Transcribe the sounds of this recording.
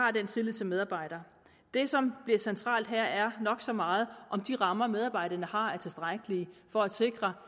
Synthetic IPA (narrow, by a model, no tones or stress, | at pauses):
ɑ̈ːd̥ent͡sʰe̝lið̰ˠt͡sʰe̝meðˠɑ̈ːb̥ɑ̈ɪ̰ɾ̥ɐ | d̥e̝sɒ̽mb̥liɐsent͡sʰʁɑ̰̈ːld̥ɦæɐ̰æɐnɒ̽ɡ̥sɒ̽mɑ̈ːð̞̩ˠʔɒ̽md̥iʁɑ̈mɐmeð̞ˠɑb̥ɑ̈ɪ̰ɾ̥ɐnəhɑ̈æɐt͡sʰe̝sd̥ʁaɡ̥əlifɒ̽æ̥se̝ɡ̥ʁɐ